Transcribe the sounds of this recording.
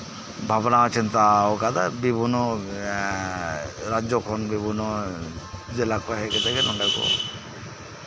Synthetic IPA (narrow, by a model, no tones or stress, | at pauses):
bʱabɔnaɔt͡ʃint̪aɔkad̪abibʱunɔ | ɾad͡ʒɔkʰɔnbibʱunɔ | d͡ʒelakɔɦɛkɛt̪ɛkɛnɔɳɖakɔ̰